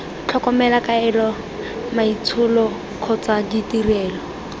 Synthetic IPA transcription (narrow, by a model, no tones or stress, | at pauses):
t͡ɬʰɔkɔmɛlakaɛlɔ | mait͡sʰʊlɔ | kʰɔt͡saditirɛːlɔ